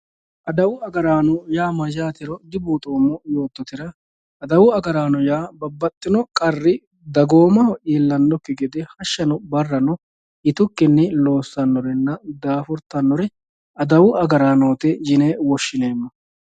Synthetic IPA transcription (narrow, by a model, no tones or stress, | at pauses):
ʔɐd̪ɐwʊɐɡɐɾaːnɔjaːmɐd͡ʒaːt̪ɪɾɔd̪ɪbuːt̪ʼoːmːɔjo̞ːt̪ːɔt̪ɪɾɐ | ʔːd̪ɐwʊɐɡɐɾaːnɔjaːbɐbːɐt̪ʼːɪnɔkʼɐrːɪ | d̪ɐɡo̞ːmɐhɔʔiːlːɐnːɔkːɪɡɛd̪ɛhɐʃːɐnɔbɐrːɐnɔ | ɪt̪ʊkːɪnːɪlo̞ːsːɐnːɔɾɛnːɐd̪aːfʊɾt̪ːɐnːɔɾɛ | ɐd̪ɐwʊʔɐɡɐɾaːnoːt̪ɛd͡ʒɪneːwɔʃːɪne̞ːmːɐ